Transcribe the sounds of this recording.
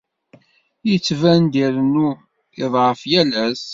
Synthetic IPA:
jət͡sːvænd̪iɾənu | ɪðˤʕəfjælæs

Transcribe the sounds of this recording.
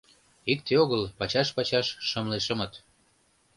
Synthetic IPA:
ik̚t̪eoɣəlpɑt͡ɕɑʃpɑt͡ɕɑʃːəmleʃə̆mɤt̪

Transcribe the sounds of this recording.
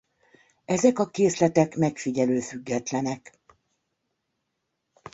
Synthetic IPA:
ɛzɛkɒkeːslɛt̪ɛkmɛkfiɟɛløːfyɡːɛt̪lɛnɛk

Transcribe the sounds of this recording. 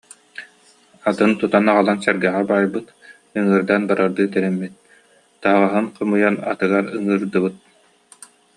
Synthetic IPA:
at̪ɯnt̪ut̪anaʁalˠansɛɾɡɛʁabajbɯt̪ | ɯŋɯːɾd̪anbaɾaɾd̪ɯt̪ɛɾɛmːit̪̚ | t̪aɦaʁaɦɯnqʰɯmɯjana̰t̪ɯɡaɾɯŋɯːɾd̪ɯβɯt̪̚

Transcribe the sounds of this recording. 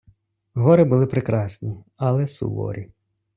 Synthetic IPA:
ɦɔɾɪbʊlˠɪpɾɪkɾɑsʲnʲi | ɐlˠɛsṵʋɔ̰ɾʲi

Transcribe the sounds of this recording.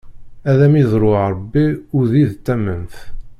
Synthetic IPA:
æðæmizˤɾˤʊɾˤəbːiʊɾðiðt̪ːæmənθ

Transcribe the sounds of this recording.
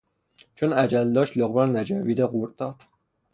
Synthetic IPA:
t͡ʃʰonæd͡ʒæld̪ɒːʃloɣbæɾnæd͡ʒæviːd̪æɣuɾd̪ɒːd̪̥

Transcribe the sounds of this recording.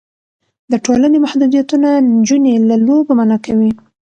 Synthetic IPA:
d̪əʈolanemahd̪ud̪ijat̪unand͡ʒunelalobamanɑkawi

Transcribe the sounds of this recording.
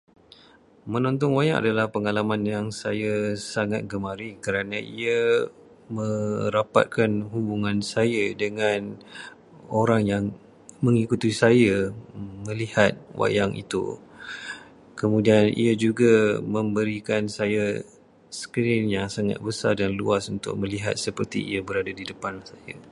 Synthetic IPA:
mə̃nɔ̃nt̪ɔnwajaŋa̰dalahpəŋalamanjaŋsajasaŋat̪̚ɡəmaɾikəɾanãia | mə̃ɾapa̰t̪̚kanɦubuŋãnsajadəŋan | oɾaŋjaŋ | mə̃ŋikut̪isajamə̃lihat̪̚wʔa̰jaŋḭt̪ṵ | kəmũdianḭad͡ʒuɡamə̃mbəɾikansaja | sə̥kiɾɪnjaŋsaŋa̰t̪̚bəsardanluasunt̪ʊ̰k̚mə̃liɦa̰t̪̚səpərt̪ḭḭabəɾadadidəpanlasaja̰

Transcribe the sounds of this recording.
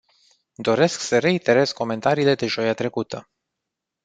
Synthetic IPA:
d̪o̞ɾe̞sksəɾe̞int̪e̞ɾe̞sko̞me̞nt̪aɾiːle̞d̪e̞ʒo̞jat̪ɾe̞kut̪ə

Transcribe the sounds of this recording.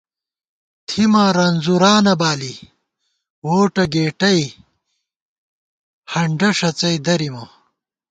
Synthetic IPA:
t̪ʰimaːɾɐnzuɾaːnɐbaːli | woːʈɐɡeːʈɐj | hɐɳɖɐʂɐt͡sɐjd̪ɐɾimɐ

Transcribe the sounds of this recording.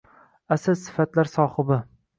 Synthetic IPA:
asazsɪ̥fat̪laɾsɒːhɨbɪ

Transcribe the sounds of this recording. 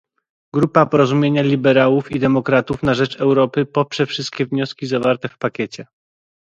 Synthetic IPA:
ɡɾupapɔɾɔzumʲjeɲalʲibɛɾawufid̪ɛmɔkɾat̪ufnaʐɛt͡ʂɛwɾɔpɘpɔpʂɛfʂɘst̪̚kʲɛvɲɔskʲizavaɾt̪ɛfpakʲet͡ɕɛ

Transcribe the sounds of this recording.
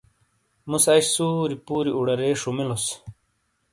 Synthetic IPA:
musaiɕsuːɾipuːɾiuɽɐɾeːʂumilos

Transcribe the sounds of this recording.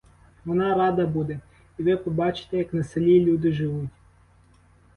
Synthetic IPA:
ʋɔnɑɾɑd̪ɐbud̪ɛ | iʋɪpɔbɑt͡ʃɪ̥t̪ɛjɐknɐselʲilʲud̪ɪʒɪʋutʲ

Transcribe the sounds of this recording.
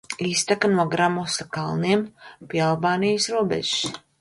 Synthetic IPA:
iːst̪akanuɔɡɾamɔsakalˠniɛmpʲiɛalˠbaːnijsɾuɔbɛ̰ʒs

